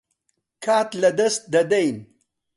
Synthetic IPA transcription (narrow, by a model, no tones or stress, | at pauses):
kʰaːt̪lɐd̪ɐst̪̚d̪ɐd̪ejn